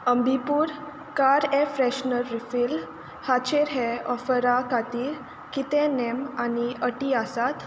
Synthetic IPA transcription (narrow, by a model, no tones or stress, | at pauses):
əmbʱipuːɾ | kaɾefɾɛɕnəɾːifil | hat͡ɕeɾɦɛɔfəɾakat̪iːɾ | kit̪ɛ̃nemaniəʈiasat̪